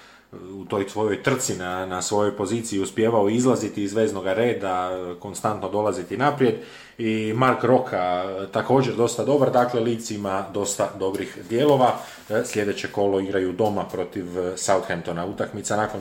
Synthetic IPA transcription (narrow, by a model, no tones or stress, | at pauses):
ut̪o̞jsʋo̞jo̞jt̪r̩t̪sinanasʋo̞jo̞jpo̞ziːt̪sijiuspje̞ːʋaoizlˠazit̪iːzʋe̞ːzno̞ɡaɾe̞ːd̪ako̞nst̪ant̪no̞d̪o̞lazit̪inapɾije̞d̪ | imaɾkɾo̞kʰat̪ako̞ːd͡ʑe̞ɾd̪o̞st̪ad̪o̞baɾd̪aːkle̞liːt̪simad̪o̞st̪ad̪o̞bɾixd̪je̞ːlˠo̞ʋa | slje̞d̪e̞t͡ɕe̞ko̞lo̞iɡɾajud̪o̞mapɾo̞t̪iʋsaut̪xemt̪onaut̪akmit̪sanakon